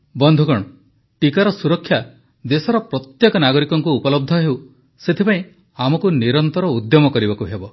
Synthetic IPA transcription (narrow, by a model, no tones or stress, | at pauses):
bɔnd̪ʱukɔɽ̃ɔ | ʈikaɾɔsuɾɔkʰːja | d̪esɔɾɔpɾɔt̪jekɔnaɡɔɾikɔŋkuːpɔlɔb̚d̪ʱɔɦew | set̪ʰipaĩ | amɔkuniɾɔnt̪ɔɾɔud̪jɔmɔkɔɾibɔkuɦebɔ